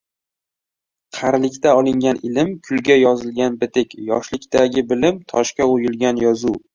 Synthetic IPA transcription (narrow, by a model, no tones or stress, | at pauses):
qʰɑɾlɪkʲt̪ʰaɒlˠɪŋɡʲanʔɪlɪmkʰʊlɡʲajɒzɪlɡʲanbɪt̪ɪkʲjɒ̰ʃlɪkʲt̪aɡʲɪbɪlɪmt̪ʰɒ̰ʃkʲaojɪlˠɡʲanjɒzu